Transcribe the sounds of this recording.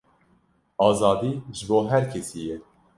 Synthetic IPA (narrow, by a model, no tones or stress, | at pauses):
ɑːzɑːd̪iːʒɨboːɦæɾkʲʰesiːjɛ